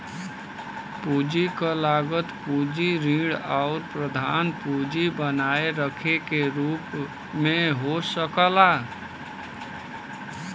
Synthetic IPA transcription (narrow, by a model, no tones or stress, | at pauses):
pud͡ʒikalaːɡət̪pud͡ʒiɾĩːɽaʊɾpɾəd̪ʱaːnpud͡ʒibənaːeɾəkʰekeɾuːp | mẽɦosəkəla